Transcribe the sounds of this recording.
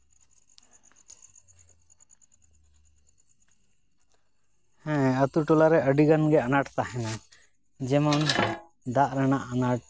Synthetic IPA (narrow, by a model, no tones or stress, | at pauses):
hɛ̃ət̪uʈulaɾɛʔəɖiɡanɡɛanaʈt̪aɦɛna | d͡ʒɛmɔn | d̪aʔɾanaʔanaʈ̚